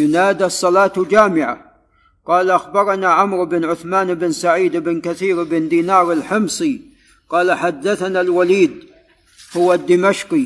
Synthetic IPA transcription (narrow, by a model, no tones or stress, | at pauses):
jʊnaːd̪isˤːɑlɑːt̪d͡ʒaːmɪʕa̰ | qɑːlaʔaxbɑɾˤɑnaʕamɾɪbɪnʕʊθmaːnɪbɪnsaʕiːd̪ɪbɪnkaθiːɾʔɪbɪnd̪iːnɑːɾˤɪlħɪmsˤi | qɑːlaħad̪ːaθanalwaliːd̪̚ | hʊwad̪ːɪmaʃqi